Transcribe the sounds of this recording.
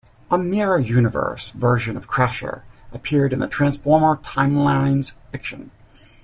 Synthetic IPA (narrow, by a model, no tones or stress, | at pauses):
əmɪɹɨjʉnɨvə̰˞svɜ˞ʒɨ̃nʌv̥kʰɹ̥æʃə̰˞ʔəpʰɪɹɾɨ̃nðɨtʰɹ̥æ̃nsfɔɹmə˞tʰãɪ̃mlãɪ̃nz̥fɪkʃɨ̃n